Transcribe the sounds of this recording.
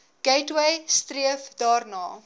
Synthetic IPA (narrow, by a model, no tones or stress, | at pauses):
ɡ̥ɛjtwɛjstriəfdɑːrnɑː